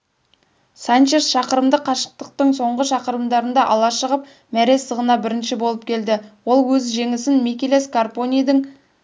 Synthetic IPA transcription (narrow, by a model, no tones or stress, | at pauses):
sant͡ʃesʃɑqəɾəmd̪əqʰɑʃə̥q̚t̪əq̚t̪əɴso̞ɴʁəʃɑqəɾəmd̪ɑɾənd̪ɑʔɑlˠɑʃəʁəp | mæɾe̞səʁənɑbɪɾɪnʃɪbo̞lˠəp̚kʲʰe̞ld̪ɪwo̞lˠwɵzʒe̞ŋɪsɪnmekʲeleskarponʲijd̪əŋ